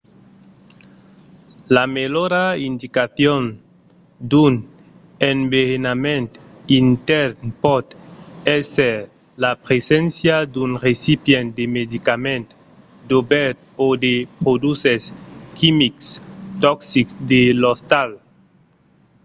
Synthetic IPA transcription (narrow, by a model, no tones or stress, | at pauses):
lameloɾaind̪ikaθjon | d̪un | embeɾenamẽnt̪ | int̪ɛɾnpɔd̪ɛseɾ | lapɾesensjad̪unresipjend̪emed̪ikamẽnt̪ | d̪obɛɾt̪od̪epɾod̪useskʰimikst̪ɔksiksd̪elost̪al